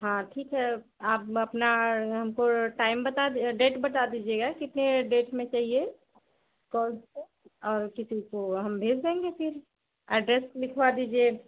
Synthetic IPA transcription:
ɦãːʈʰiːkɦɛ | aːpɐpnaɦɐmkoʈaːɪmbɐt̪aɖeːʈbɐt̪ad̪iːd͡ʒieɡakɪt̪neɖeːʈmẽt͡ʃaːɦie | kɔːle | ɔːɾkɪsikoɦɐmbʱeːd͡ʒd̪ãːŋɡepʰɪɾ | ɛɖɾeslɪkʰʋad̪iːd͡ʒie

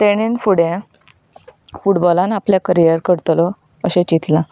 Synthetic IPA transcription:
t̪eɽ̃infuɽẽ | fuʈbɔlãnapljakəɾijəɾkəɾt̪lɔ | əɕẽt͡ɕit̪lã

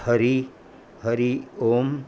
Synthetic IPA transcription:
həɾi | həɾioːm

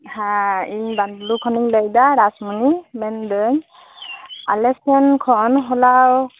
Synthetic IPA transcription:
hãiɲbanlukʰɔniŋləjdaɾasmɯnimɛndɯɲ | alɛsɛnkʰɔnɦɔlaw

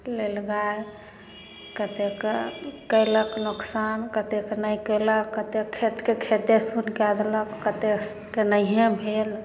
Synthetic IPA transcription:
lelɡae | kət̪ekekəɪləknuksankət̪ekenəjkələkːət̪ekʰet̪kekʰet̪esunkad̪eləkːət̪e | kenəiɦẽbʱel

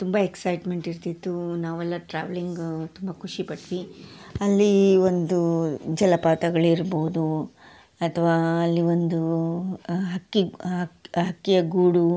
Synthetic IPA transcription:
t̪umbɐeksɐjʈme̞ɳʈiɾt̪id̪ːunaːʋɛlːɐʈɾa̰ːʋɐliŋɡt̪umbɐkʰuʂipɐʈʋiɐlːio̞nd̪ud͡ʒɛlɐpaːt̪ɐɡɐɭuiɾboːud̪u | ɐt̪ʰɐʋaːɐlːio̞nd̪u | ɦɐkːi | ɦɐkːijɐɡuːɽu

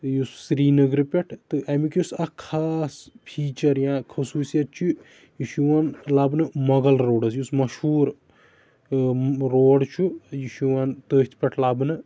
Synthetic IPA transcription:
t̪ɨjusːɾiːnɐɡɾipʲɐʈʰt̪ɨʔɐmikjusɐkʰaːspʰiːt͡ʃɐɾjãːkʰɐsuːsijɐt̪̚t͡ʃʰu | jiʃuʋanlaːbnɨmɐɡɐlɾoːɖɐs̬jusmɐʃhuːɾ | ɾoːɖt͡ʃʰujiʃuʋaːnt̪əːsʲt̪ʰpʲɐʈʰlaːbnɨ

